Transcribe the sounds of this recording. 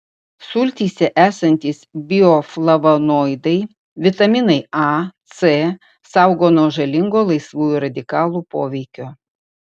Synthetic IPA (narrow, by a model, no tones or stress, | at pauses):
sʊlʲt̪ʲiːsʲɛʔæːsɐnʲt̪ʲiːsbʲɪoflˠɐʋɐnoːɪd̪ɐɪ | ʋʲɪt̪ɐmʲɪnɐɪɑt̪se | sɑˑʊɡoːnoːʒɐlʲɪŋɡoːlˠɐɪsʋuːjuɾɐd̪ʲɪkɑːlˠuːpoːʋʲɛɪkʲoː